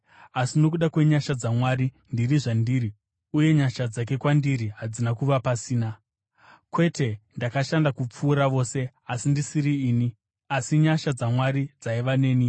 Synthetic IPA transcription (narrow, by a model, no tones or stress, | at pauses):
asino̞k̬uɗakwe̞ɲaʃad͡zamwaːɾi | ndiriʐandiːɾi | uje̞ɲaʃad͡zak̬e̞kwandiɾiɦad͡zinakuʋapasiːna | kwe̞te̞ndakaʃandakup͡fuːɾaʋo̞ːse̞ | asindisiɾiːni | asiɲaʃad͡zamwaɾid͡zaiʋane̞ːni